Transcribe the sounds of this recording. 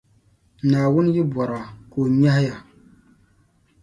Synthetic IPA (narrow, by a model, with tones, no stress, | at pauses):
naː˨wʊ˦n˦jɪ˦bwɔ˨ɾa˨ko˨ɲa˦hɪ˦ja˨